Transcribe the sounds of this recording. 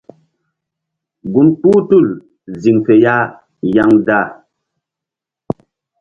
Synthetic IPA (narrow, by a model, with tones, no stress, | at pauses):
ɡu˨nk͡pu˦tu˦˨l | zi˨ŋfɛ˨ja˦ | ja˦ŋda˦˨